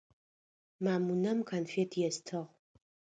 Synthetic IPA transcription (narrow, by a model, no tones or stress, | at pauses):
maːmunɐmkʰɐnfetʰjɛstʰɨʁ